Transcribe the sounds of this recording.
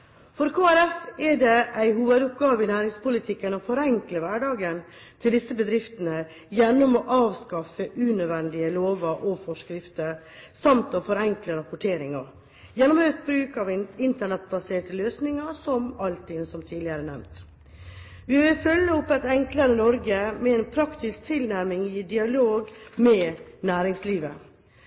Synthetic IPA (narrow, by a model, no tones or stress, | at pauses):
fɔɾkʰoːæɾɛfɛɖɛʔæɪɦuːʋəd̪ʊp̚ɡɑːʋəɪnæːɾɪŋspʊlɪt̪ʰɪkːənɔfɔɾɛŋkləʋæɖɑːɡən | t̪ʰɪld̪ɪsːəbəd̪ɾɪft̪ənə | jɛnːɔmɔʔɑːʋskɑfəʔʉːnød̪ʋɛnd̪ɪəloːʋəɾʔɔfɔʂkɾɪft̪əɾ | sɑmt̪ɔfɔɾɛŋkləɾɑpʊʈʰeːɾɪŋɑɾ | jɛnːɔmøːt̪̚bɾʉːkɑʋɪnt̪əɳɛt̪̚bɑseːʈəløːsnɪŋɑsɔmɑlt̪ʰɪnsɔmt̪ʰiːlɪəɾənɛ̰mt̪ | ʋɪʋɪlfœlːəʊpːæɪt̪ɛŋkləɾənɔɾɡəmɛɛnpʰɾɑkt̪ɪsk̚t̪ʰɪlnæɾmɪŋɪd̪ɪɑloːɡmɛːnæːɾɪŋsliːʋə